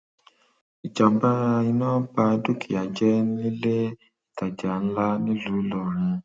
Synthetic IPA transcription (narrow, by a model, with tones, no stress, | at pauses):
i˨d͡ʒa˨˦ba˦i˧nãː˦ba˧du˦kʰi˨a˨d͡ʒɛ˨˦nĩ˦le˦ | i˦˨ta˨d͡ʒa˨n̩˦la˦nĩ˦lu˨˦lɔ˦˨ɾ̃ĩ˧